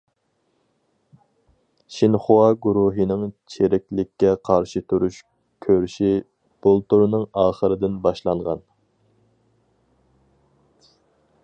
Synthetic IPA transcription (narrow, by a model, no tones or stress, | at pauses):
ʃinχuwɑɡuɾuɦɨnɪŋt͡ʃʰeɾɛkʲlɪkʲːɛqʰɑɾʃit̪ʰuɾuʃ | kʲʰøɾyʃi | b̥ulˠt̪uɾnɨŋɑːχəɾɨd̪ɪnbɑʃlˠɑɴʁɑ̰n